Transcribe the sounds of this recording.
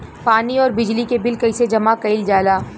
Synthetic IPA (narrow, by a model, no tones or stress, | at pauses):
paːniɔːɾbɪd͡ʒlikebɪlkɐɪsed͡ʒɐmakɐɪld͡ʒaːlaː